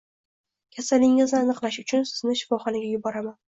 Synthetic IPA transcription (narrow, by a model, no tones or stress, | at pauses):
kʲʰasalɪŋɪznɪanɨqlˠaʃʊt͡ʃʰʊnsɪznɪʃɪ̥fɒχɒnaɡʲajʊbɒɾaman